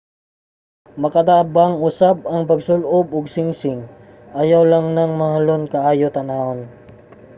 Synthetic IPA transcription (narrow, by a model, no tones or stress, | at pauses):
mɐkɐd̪abaŋʊsab̚ɐŋpɐɡsʊlʔobʊɡsɪŋsɪŋ | ʔajawlaŋnɐŋmɐhalonkɐʔaːjot̪ɐnaːʔon